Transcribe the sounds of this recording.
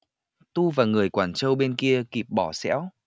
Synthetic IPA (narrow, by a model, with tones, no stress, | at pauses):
t̪u˧vaː˨˩ŋɨ˨˩əjkwaː˧˩nt͡ɕə˧wɓe˧nki˧əki˨˩p̚ɓɔ˧˩sɛ̰˧˥w